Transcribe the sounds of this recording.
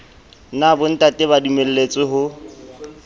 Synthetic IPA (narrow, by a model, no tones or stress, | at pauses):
nabʊn̩tʼatʼɪβadumel̩let͡sʼɪɦʊ